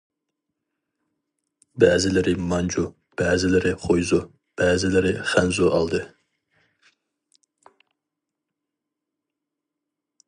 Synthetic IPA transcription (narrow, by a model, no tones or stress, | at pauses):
bɛːzɪlɪɾɪmɑnd͡ʒu | b̥ɛːzɪlɪɾɪχojzu | b̥ɛːzɪlɪɾɪχænzuʔɑ̰lˠd̪ɨ